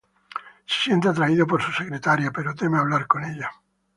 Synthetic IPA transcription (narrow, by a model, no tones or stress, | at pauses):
se̥sjent̪eat̪ɾaiðopoɾsuse̞kɾe̞t̪aɾjape̞ɾot̪e̞meaβ̞laɾko̞ne̞ʎa